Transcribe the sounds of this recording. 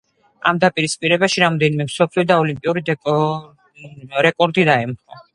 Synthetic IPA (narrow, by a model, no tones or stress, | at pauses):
a̰md̪apʼiɾispʼiɾɛbaʃiɾamɔd̪ɛnimɛmsɔpʰliɔd̪aɔlimpʼiuɾid̪ʼ | ɾɛkʼɔɾd̪id̪aɛmχɔ